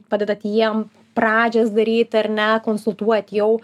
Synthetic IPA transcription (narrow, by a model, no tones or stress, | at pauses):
pɑːd̪ʲɛd̪ɐt̪jiɛm | pɾɑːd͡ʒʲɛsd̪ɐɾʲiːt̪ʲɐɾʲnʲɛkoːnsʊlˠt̪uɔt̪ʲjɛʊ